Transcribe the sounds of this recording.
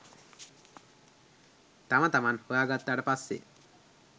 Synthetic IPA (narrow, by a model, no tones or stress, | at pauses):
t̪amat̪amanhoaɡat̪̚ːaɽapasḛ